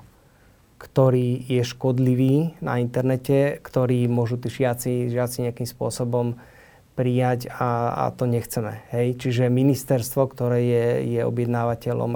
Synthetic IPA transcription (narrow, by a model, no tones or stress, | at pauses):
kt̪ɔɾiːjɛʃkɔd̪liʋiːna̰int̪ɛɾnɛcɛkt̪ɔɾiːmʊɔʒut̪iːʒɪat͡siʒɪat͡siɲɛakiːmspʊɔsɔbɔm | pɾijaɟaa̰t̪ɔɲɛxt͡sɛmɛ̰ɦɛjt͡ʃiʒɛminist̪ɛɾst̪ʋɔkt̪ɔɾɛːjɛjɛɔ̰bɪjɛd̪naːʋacɛlɔ̰m